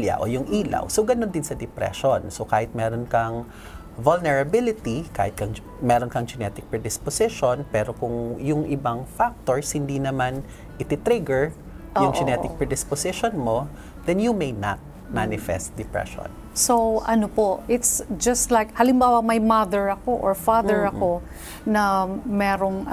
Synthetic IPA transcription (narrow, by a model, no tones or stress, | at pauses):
ljɐ̰ʔo̰jʊŋʔiːla̰wsowɡɐnond̪ɪnsɐd̪ɪpɾɛ̰ʃonsokaːhɪt̪̚mɛːɾonkɐŋ | volnɛɹɐbɪlɪt̪ika̰ːhɪt̪̚kɐŋ | mɛɾonkɐŋd͡ʒɛnɛt̪ɪk̚pɹɛd̪ɪsposɪʃonpɛːɾokʊŋjʊŋʔɪbaŋfak̚t̪oɹshɪnd̪inɐman | ʔɪt̪ɪt̪ɾɪɡɛɹ | jʊŋd͡ʒɛnɛt̪ɪk̚pɹɛd̪ɪsposɪʃonmo | d̪̥ɛnjumejnat̪̚ | manɪfɛ̰st̪̚d̪ɛpɹɛ̰ʃo̰n | sowʔɐnopoʔɪt̪sd͡ʒɐst̪lajk̚hɐlɪmbaːwɐmɐjmaðɛɹɐkoʔoɹfaðɛɹɐko | nɐmɛːɾoŋ